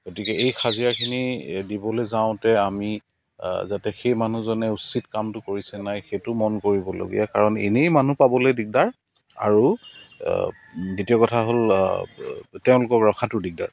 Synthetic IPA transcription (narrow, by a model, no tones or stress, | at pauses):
ɡotikɛejxʰazijakʰinidibɔlezaʊ̃tɛami | zatɛxejman̤uzɔnɛusitkamtʊkoɹisɛnajxetʊmɔnkoɹibɔlo̰ɡḭjakaɹɔnḛnejmanupabɔlejdik̚daɹ | a̰ɹu | ditiɔkɔtʰaɦol | teʊ̃lʊkɔkɹɔkʰatʊdik̚da̰ɹ